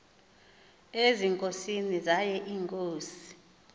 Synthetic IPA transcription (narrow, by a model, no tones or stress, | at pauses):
eziŋkʼosinizajɛʔiːŋkʼoːsi̥